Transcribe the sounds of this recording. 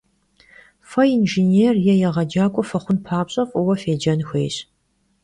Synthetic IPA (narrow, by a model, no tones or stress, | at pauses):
fɐinʒineːrjɛjɛʁɐd͡ʒaːkʷʼɔfɐχʷʊnpʰaːpɕʼɐfʼɔwɐfeːd͡ʒɐnxʷḛːɕ